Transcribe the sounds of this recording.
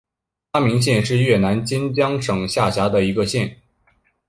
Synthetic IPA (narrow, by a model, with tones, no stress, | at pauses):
t̪ʰa˥mi˧˥ŋɕ̬jɛ˥˧nʂɻ̩˥˧ɥɛ˥˩na˧˥nt͡ɕɛ˥nt͡ɕjɑ˥ŋʂɤ˨˩ŋɕja˥˩ɕja˧˥d̪ə˨i˧˥ɡə˧ɕjɛ˥˩n